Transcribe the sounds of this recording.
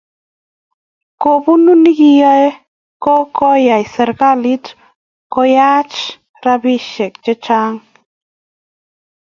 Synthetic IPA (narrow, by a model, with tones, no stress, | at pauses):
ko˨bu˦nu˦ni˦ki˦jɔ˦e˦ | kɔ˦kɔ˦ja˨jsɛ˨ɾka˦li˦t | kɔ˦ja˦t͡ʃ | ɾa˦bi˦ʃɛ˨k̚t͡ʃɛ˦t͡ʃa˦ŋ